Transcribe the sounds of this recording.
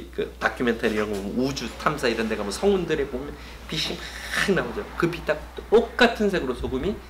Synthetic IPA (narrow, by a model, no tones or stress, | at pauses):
kɯ̰takʰumentʰaɾiɾʌŋɡʌmud͡ʑutʰamsʰaiɾʌnde̞ɡamwʌsʰʌŋundɯɾepomjʌn | piɕ͈imkaɯŋnaod͡ʑokɯpit͈ak̚t͈ok̚k͈atʰɯnsʰe̞ɡɯɾosʰoɡumi